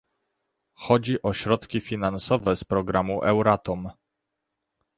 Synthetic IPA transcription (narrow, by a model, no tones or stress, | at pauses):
xɔd͡ʑiʔɔɕɾɔt̪kʲifʲinansɔvɛspɾɔɡɾamuʔɛwɾat̪ɔm